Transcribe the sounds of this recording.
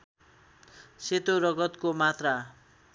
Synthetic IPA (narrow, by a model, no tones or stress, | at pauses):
set̪oɾʌɡʌt̪komat̪ra